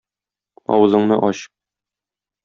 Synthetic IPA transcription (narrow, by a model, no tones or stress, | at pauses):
ɒ̰wɤ̆zɤ̆ɴnɤʔɒɕ